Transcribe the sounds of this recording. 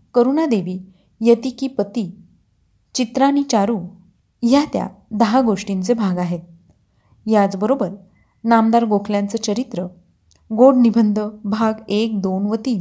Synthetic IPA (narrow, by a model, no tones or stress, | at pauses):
kəɾunad̪eʋiː | jət̪iːkiːpət̪iː | t͡ɕit̪ɾaɽ̃it͡ɕaɾuː | jat̪ja̰d̪əɦaɡoʂʈint͡sebʱaɡaɦet̪̚ | jat͡sbəɾobəɾ | namd̪aɾɡokʰljãnt͡sət͡ɕəɾit̪ɾə | ɡoɽnibʱənd̪ʱəbʱaɡek̚d̪onʋət̪iː